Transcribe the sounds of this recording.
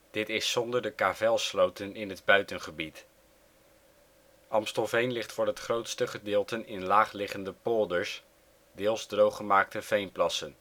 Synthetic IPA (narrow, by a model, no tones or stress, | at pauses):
d̥ɪtɪsːɔndəɹdəkaːvɛlˠslowtənɪnɦədbœɥtənχəbit | ʔɑmstəlˠvejnlɪχtfʊːɹɦətχrowtstəχədɪːlˠtənɪnlaːχlɪχəndəpɔlˠdəɹs | dɪːlˠzdrowχəmaːk̚təv̥ejnplɑsən